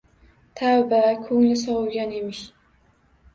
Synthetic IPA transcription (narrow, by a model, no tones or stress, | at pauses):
t̪ʰawbakʲʰɵŋlɪsɒwʊɡʲane̞mɪʃ